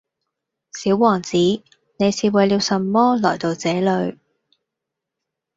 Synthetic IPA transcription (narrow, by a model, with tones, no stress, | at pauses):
siː˨˥wwɔː˨˩ŋt͡siː˨˥ | ne˨˧jsiː˨˧wɐ˨˧jliː˧wsɐ˨mːɔː˥lɔː˨˩jt̪o˨wt͡sɛː˨˥lɵ˨˧ɥ